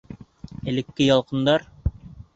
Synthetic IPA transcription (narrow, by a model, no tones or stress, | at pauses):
ælɘ̆kːɘjɑlˠqɤ̆nd̪ɑɾ